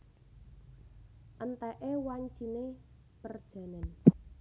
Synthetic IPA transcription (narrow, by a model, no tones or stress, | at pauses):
ʔənt̪ɛʔewaɲt͡ʃine | pərd̥ʒ̥a̤nən